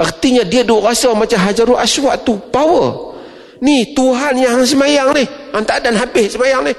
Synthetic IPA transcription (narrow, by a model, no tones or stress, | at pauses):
ʔərt̪iɲadiadukasamat͡ʃaɦad͡ʒaɾuʔaswat̪upawə | niht̪uɦanjaɦaŋs̬əmajaŋnɪh | ant̪adanɦabɪhsəmajaŋnɪh